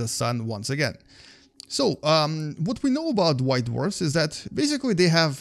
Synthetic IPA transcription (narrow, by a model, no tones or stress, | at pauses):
ðəsʌ̃nwʌ̰̃nsɨɡɛ̰̃n | soʊʔʌwʌt̚winoʊəbaʊt̬̚waɪt̬̚wɜ̰˞θɨzðɨtb̥eɪs̬ɨklˠiðeɪɦɨv